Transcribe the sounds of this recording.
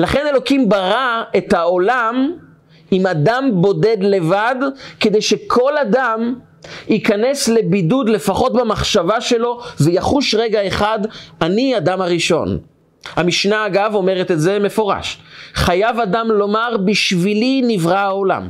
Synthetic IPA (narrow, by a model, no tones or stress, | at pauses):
laχene̞lo̞kimbaʁaet̪haolam | imadambo̞de̞d̪le̞vadked̪ejʃekʰo̞ladam | ikane̞slebidud̪le̞faχo̞t̪bamaχʃavaʃe̞lo̞vejaχuʃʁeɡaeχadaniadamhaʁiʃo̞̰n | hamiʃnaːɡavo̞meʁet̪etzeme̞fo̞ʁa̰ʃχajavadamlo̞maʁbiʃvilinivʁaao̞la̰m